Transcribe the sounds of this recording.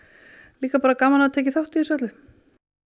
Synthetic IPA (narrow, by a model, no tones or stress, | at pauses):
liːkapaːɾakaːmanat̪ʰeːcɪθawht̪iːsœt̪lɪ